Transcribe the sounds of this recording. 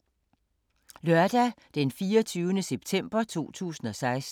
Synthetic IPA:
lɶɐd̥æ | d̥enfiːɒt͡sʰyːʊnəseb̥t͡sʰem̰b̥ɐt͡sʰo̝̰ːt͡sʰṵːsn̩ɒ̽sɑ̈ɪs

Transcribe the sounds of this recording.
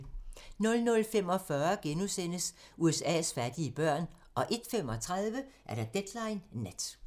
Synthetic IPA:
nɔ̽lnɔ̽lfem̰ɒ̽fɶɐɡ̥enusen̰əsuesɛ̰ːsfæɐd̥iəb̥ɶɐ̰n | ʔɒ̽ʔe̝d̥fem̰ɒ̽t͡sʰʁað̞ˠʋəʔæɐɾ̥æd̥ed̥lɑ̈ɪnːæd̥

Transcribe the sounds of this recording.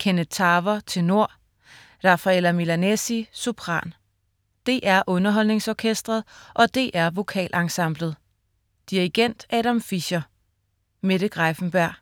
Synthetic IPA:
kʰenət͡sʰɑ̈ːʋɐt͡sʰe̝no̝ɐ̰ | ʁɑ̈fæel̰ɐmilænesisopʰʁɑ̰̈ːn | d̥e̝ʔæɐʔɔ̽nɐɦɒ̽l̰ne̝ŋsɒːkʰesd̥ʁɐð̞ˠʔɒ̽d̥e̝ʔæɐʋo̝kʰɛ̰ːlʔɑ̈ŋsɑ̈m̰b̥ləð̞̩ˠ | d̥iʁiɡ̥en̰d̥ɛːɾæmfiɕɐ | me̝ɾ̥əɡ̥ʁɑfn̩b̥æɐ̰

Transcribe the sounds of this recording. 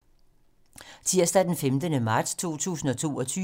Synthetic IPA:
t͡sʰiɐ̰sd̥æd̥enfemd̥ənəmɑ̈d̥st͡sʰo̝̰ːt͡sʰṵːsn̩ɒ̽t͡sʰo̝̰ːɒ̽t͡sʰyː

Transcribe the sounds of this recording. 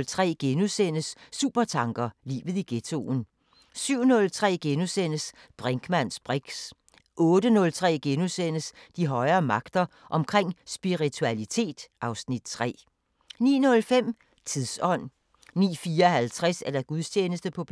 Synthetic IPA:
lt͡sʰʁɛ̰ːɡ̥enusen̰əsːṵːb̥ɐt͡sʰɑ̈ŋɡ̥ɐlḭːʋð̩ˠiɡ̥e̝t͡sʰo̝̰ːn̩ | syʊ̰nɔ̽lt͡sʰʁɛ̰ːɡ̥enusen̰əs | b̥ʁeŋɡ̥mæn̰sb̥ʁiɡ̥s | ʔɔ̽ːd̥ənɔ̽lt͡sʰʁɛ̰ːɡ̥enusen̰əsd̥iɦɒ̽ɪɐːmɑ̈ɡ̥d̥ɐ | ʔɒ̽mkʰʁeŋ̰sb̥iʁit͡sʰuælit͡sʰe̝̰ːd̥ʔɑ̈ʊsnid̥̚t͡sʰʁɛ̰ː | nḭːnɔ̽lfem̰ | t͡sʰiðˠsɒ̽n̰ | nḭːfiːɐhælt͡sʰʁɛsæɐd̥æɡ̥uðˠsʰeːnəsd̥əpʰɒ̽b̥ʰ

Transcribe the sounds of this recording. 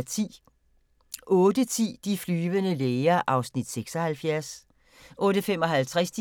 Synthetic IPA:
t͡sʰḭː | ʔɔ̽ːd̥ət͡sʰḭːd̥iflyːʋənəleːɪɐʔɑ̈ʊsnid̥seɡ̥sɒhælfjæɐs | ʔɔ̽ːd̥əfemɒ̽ɦælt͡sʰʁasd̥i

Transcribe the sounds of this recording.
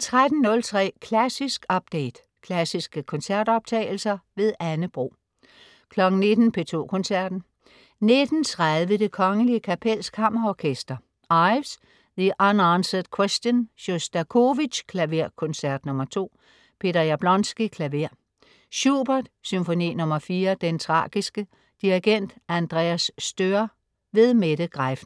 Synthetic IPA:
t͡sʰʁad̥n̩nɔ̽lt͡sʰʁɛ̰ːkʰlæsisɡ̥ɒ̽b̥̚d̥eɪd̥ | kʰlæsisɡ̥əkʰɔ̽nsæɐd̥ɒ̽b̥̚t͡sʰɛ̰ːɪl̩sɐʋe̝ðˠænəb̥ʁo̝̰ː | kʰlɒ̽ɡ̥ŋ̩ne̝d̥n̩pʰe̝t͡sʰo̝̰ːkʰɔ̽nsæɐd̥n̩ | ne̝d̥n̩t͡sʰʁaðˠʋəd̥e̝kʰɒ̽ŋəliəkʰæpʰel̰skʰɑ̈m̰ɐɒkʰesd̥ɐ | ɑɪʋs | ðiʔɑnʁɑnsəd̥kʰwesd̥jənɕo̝sd̥ækʰo̝ʋiɕkʰlæʋeɐ̰kʰɔ̽nsæɐd̥nɔ̽mɐt͡sʰo̝̰ː | pʰe̝d̥ɐjæb̥lɒ̽nsɡ̥ikʰlæʋe̝ɐ̰ | ɕub̥ɐd̥symfo̝nḭːnɔ̽mɐfiːɐd̥ent͡sʰʁɑ̰̈ːɡ̥isɡ̥ə | d̥iʁeɡ̥en̰d̥ænd̥ʁɛ̰æsːd̥øɐ | ʋe̝ðˠmeɾ̥əɡ̥ʁafn̩

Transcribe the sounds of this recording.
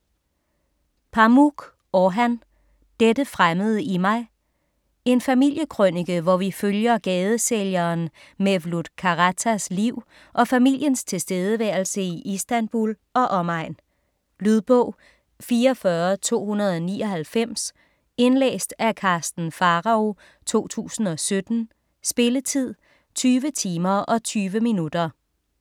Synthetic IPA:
pʰɑ̈muɡ̥ | ɒɦæn | d̥ed̥əfʁaməð̞̩ˠəimɑ̈ɪ | e̝nfæmil̰jəkʰʁøniɡ̥əʋɒʋiføljɐɡ̥ɛːð̞ˠəseljɐːn | meʋlud̥kʰɑ̈ʁæt͡sʰæsliʊ̰ | ʔɒ̽fæmil̰jənst͡sʰe̝sd̥eːð̞ˠəʋæɐ̰lsəiʔisd̥ænb̥ul | ɒ̽ʔɒ̽mɑ̈ɪ̰n | lyð̞ˠb̥ɔ̰̽ʊ̰ | fiːɐfɶɐt͡sʰo̝̰ːhunɐð̞ˠɒnḭːɒ̽hælfem̰s | e̝nlḛːsd̥ækʰɑ̈ːsd̥n̩fɑ̈ʁɑ̈o̝ | t͡sʰo̝̰ːt͡sʰṵːsn̩ɒ̽sød̥n̩ | sb̥e̝lət͡sʰið̞̰ˠ | t͡sʰyːʋət͡sʰiːmɐʔɒ̽t͡sʰyːʋəminud̥ɐ

